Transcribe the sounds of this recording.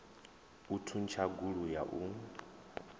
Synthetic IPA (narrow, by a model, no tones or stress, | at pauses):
utʰunt͡ʃʰaɡuɺujaʔu